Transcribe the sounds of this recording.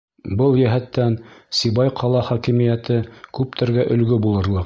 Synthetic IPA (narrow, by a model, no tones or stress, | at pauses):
bɤlˠjæɦæt̪ːænsiβɑjqʰɑlˠɑχɑkimijæt̪ɘkʉp̚t̪ʰɘ̆ɾɡæʔɵ̆lɡɵbulˠɤ̆ɾlˠɤq